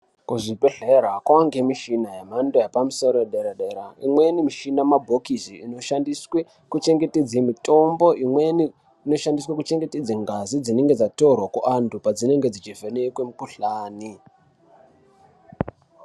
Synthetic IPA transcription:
kuʐibʱe̞ɮeɾakwaŋɡemiʃinajemandojapamuso̞ɾojeɗeɾaɗeɾaimwe̞nimiʃinamabʱokiziːnoʃandiswe | kut͡ʃe̞ŋɡe̞ted͡zemito̞mbo̞ʔimweni | ino̞ʃandiswakut͡ʃe̞ŋɡe̞ted͡zeŋɡazid͡zine̞ŋɡe̞d͡zato̞rwakuʔantʰupad͡zine̞ŋɡe̞d͡zit͡ʃivʱeneikwemukuɬaːni

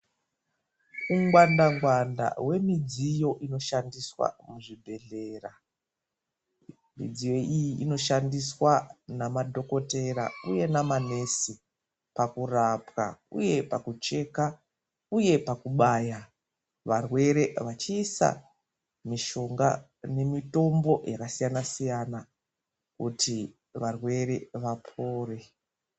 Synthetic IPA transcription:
uŋɡwandaŋɡwanda̰we̞mid͡zijo̞ʔino̞ʃandiswa̰muʐibʱe̞ɮe̞ra | mḭd͡zijo̞ʔijiʔino̞ʃandiswanamadʱo̞ko̞te̞ɾa̰uje̞namane̞si | pakurapka̰ṵje̞pakut͡ʃe̞ka | uje̞pakuɓaːja | ʋarwe̞ɾe̞ʋat͡ʃiːsa̰ | miʃo̞ŋɡa̰ | ne̞mito̞mbo̞jakasijanasijana | kuti | ʋarwe̞ɾe̞ʋapʰoːre̞

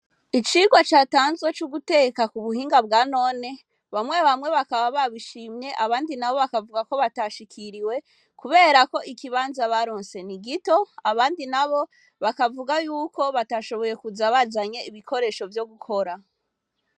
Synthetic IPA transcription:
it͡ʃiɡwat͡ʃaːtaːnzwe̞t͡ʃuɡute̞ːkakuβuhiːŋɡabɡaːno̞ne | βamŋe̞βamŋwe̞βakaβaβaβiʃiːmɲe̞ʔaβaːndinaβo̞βakavuɡako̞βataʃikʰiɾiwe̞ | kuβe̞ːɾako̞ʔikiβaːnzaβaɾoːnse̞niɡito̞aβaːndinaβo̞ | βakavuɡajuːko̞βataʃo̞βo̞je̞kuzaβazaɲe̞iβikʰo̞ɾe̞ʃo̞vjo̞ɡukʰo̞ɾa

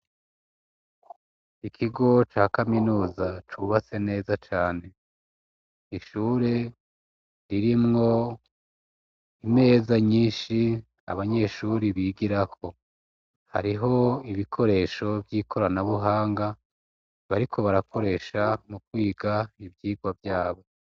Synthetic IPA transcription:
ikʰiɡo̞t͡ʃaːkaminuːzat͡ʃuβase̞ne̞ːzat͡ʃaːne̞ | iʃuːɾe̞ | ɾiɾimŋo̞ | ime̞ːzaɲiːnʃi | a̰βaɲe̞ʃuːɾiβiːɡiɾakʰo̞ | ha̰ɾiɦo̞iβikʰo̞ɾe̞ːʃo̞vjiːkʰo̞ɾanaβuɦaːŋɡa | βaɾikʰo̞βaɾakʰo̞ɾe̞ːʃamukwiːɡaibjiːɡwavjaːβo̞

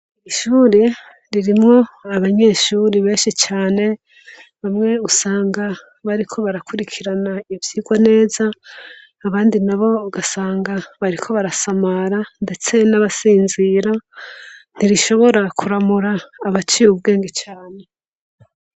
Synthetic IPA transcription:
iʃuːɾe | ɾiɾimŋo̞aβaɲe̞ːʃuːɾiβe̞ːnʃit͡ʃaːne̞ | βamŋe̞usaːŋɡa | βaɾikʰo̞βaɾakʰuɾikʰiɾanaivjiːɡwane̞ːzaː | βaːndinaβo̞ɡasaːŋɡaβaɾikʰo̞βaɾasamaɾande̞t͡se̞naβasiːnziːɾa | n̥iɾiʃo̞βo̞ɾakʰuɾamuɾaːβat͡ʃijub̚ɡe̞ːŋɡet͡ʃaːne̞

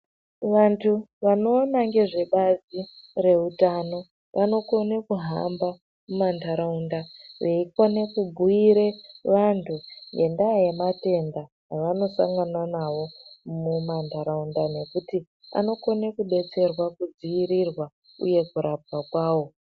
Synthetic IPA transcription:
ʋantʰuʋano̞ːnaŋɡe̞ʐe̞ɓazire̞utano̞ | ʋʔano̞ko̞nekuɦamba | mumandaɾaundaʋe̞ikone̞kubʱuiɾe̞ʋantʰuŋɡe̞ndajemate̞ndaː | ʋano̞sa̰ŋɡananawo̞mumandaɾaundane̞kuti | a̰no̞ko̞nekuɓe̞t͡se̞rwakud͡ziiɾirwa | ṵje̞kuɾab̚wakwaːwo̞

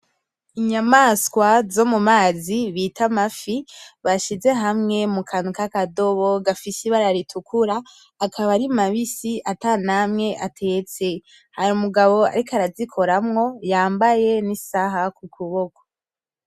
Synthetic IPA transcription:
iɲamaskwazo̞mumaːziβitʰamafiβaʃize̞ɦamŋe̞mukʰanukakado̞βo̞ɡafisiβaɾaɾitʰukʰuɾaː | kʰaβaɾimaβisiʔatanamŋe̞ʔatʰe̞t͡se̞ | haɾumuɡaβo̞a̰ɾikaɾazikʰo̞ɾamŋo̞jaːmbaje̞nisaɦakukʰuβoko̥

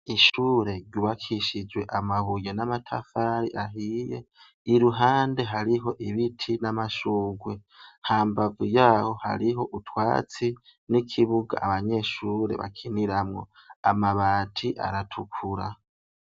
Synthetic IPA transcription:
iʃuːɾe̞ɾɟuβakʰiʃid͡ʒwe̞ʔamaβujenamatʰa̰faɾḭʔaɦijḛ | iɾuɦaːnde̞ɦaɾiɦo̞ʔiβitʰinamaʃuːɡwe̞ | haːmbavujaːho̞ha̰ɾiɦo̞ʔutʰwa̰ːt͡sinikʰiβuɡa̰ʔːβaɲe̞ʃuːɾe̞̰βa̰kʰiniɾamŋo̞̰amaβaːtʰiʔa̰ɾatʰukʰuɾa

